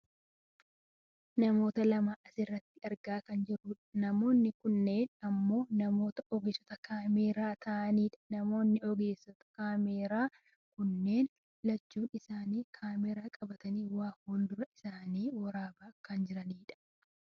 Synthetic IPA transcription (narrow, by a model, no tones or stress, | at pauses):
nɐmo̞ːt̪ɐlɐmaːʔɐsɪrːɐt̪ːɪɐɾɡaːkɐnd͡ʒɪruːᶑɐ̥nɐmo̞ːnːɪkʊnːe̞ːnɐmːo̞ːnɐmo̞ːt̪ɐʔɔɡeːsɔt̪ɐkaːmeːɾaːt̪ʰɐʔɐniːᶑɐ̥nɐmo̞ːnːɪɔɡe̞ːsːɔt̪ɐ̥kaːmeːɾaː | kʊnːe̞ːn | lɐt͡ʃːuːnɪsaːniːkʰaːmeːɾaːkʼɐbɐt̪ɐniːwaːfɔnd̪ʊɾɐɪsaːniːwɐɾaːbaːkɐnd͡ʒɪɾɐniːᶑɐ̥